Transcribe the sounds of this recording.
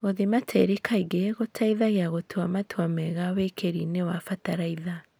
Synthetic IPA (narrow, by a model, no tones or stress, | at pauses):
ɣoðimatʰeɾikʰaiɡeɣotʰaiðaɣeaɣotʰuamatwamɛɣawekʰeɾinewafataɾaiða